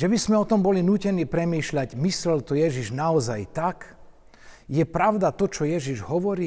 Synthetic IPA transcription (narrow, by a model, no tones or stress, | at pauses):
ʒɛbizmɛɔt̪ɔmbɔlinuːcɛniːpɾɛmiːʃlaɟmislɛlt̪ɔjɛʒiʒnaɔza̰jt̪ak | jɛpɾaʊd̪at̪ɔt͡ʃɔjɛʒiʒɦɔʋɔɾiː